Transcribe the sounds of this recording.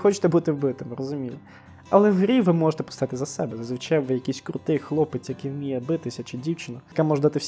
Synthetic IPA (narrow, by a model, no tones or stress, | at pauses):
xɔt͡ʃɪ̥t̪ɛbut̪ɪwbɪt̪ɪmɾɔzʊmʲijɛ | ɐlˠɛwɦɾʲiʋɪmɔʒet̪ɛpɔ̥st̪ɐɪt̪ɪzɐsɛbɛzɐzʋɪt͡ʃɛjʋɪjɐkijsʲkɾʊt̪ɪjxlˠɔpɪt̪ʲjɐkɪjwmʲijɛbɪt̪ɪsʲɐt͡ʃɪdʲiwt͡ʃɪnɔkamɔʒɛd̪at̪ɪwsʲ